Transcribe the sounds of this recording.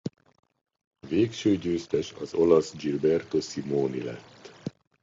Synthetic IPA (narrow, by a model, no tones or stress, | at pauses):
veːkʃøːɟøːst̪ɛʃɒzo̞lɒsd͡ʒilbɛrt̪o̞simoːnḭlɛ̰t̪ː